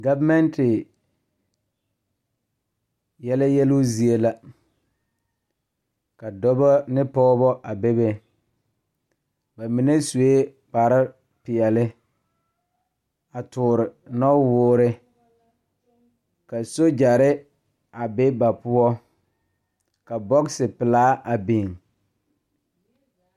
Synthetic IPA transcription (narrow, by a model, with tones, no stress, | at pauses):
ɡa˦vmɛ˦ntɪ˨ | jɛ˦la˦jɛ˦lʊ˦zi˨e˦la˦ | ka˨dɔ˦bɔ˦nɪ˦pɔː˦bɔ˦ʔa˨be˦be˨ | ba˨mi˨ne˦su˨e˦ | k͡pa˨ɾɪ˦ | pɪ˨ɛ˨lɪ˦ | a˨tʊː˨ɾɪ˨nɔ˦wʊː˦ɾɪ˦ | ka˨so˦d͡ʒa˨ɾɪ˦ | a˨bɪ˦ba˨pʊ˦ɔ˦ | ka˨bɔ˦ksɪ˨pɪ˨laː˦ʔa˨be˨ŋ